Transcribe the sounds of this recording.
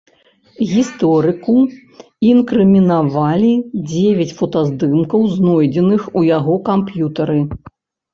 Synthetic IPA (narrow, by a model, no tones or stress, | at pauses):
ɣʲist̪ɔɾɨku | inkɾɨmʲinavalʲid͡zʲevʲɐt͡sʲfɔt̪azd̪ɨmkɐwznɔjd͡zʲɛnɨxujaɣɔkampjut̪ɐɾɨ